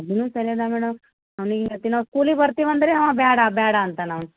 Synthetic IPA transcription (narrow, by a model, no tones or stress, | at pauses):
ɐd̪ʱinũsɐled̪amɛːɽɐm | ɐʋniɡiɡɐt̪ːinɐskuːlibɐɾt̪iʋɐnd̪ɐɾeɦɐʋabaːɽabaːɽaːnt̪anaʋn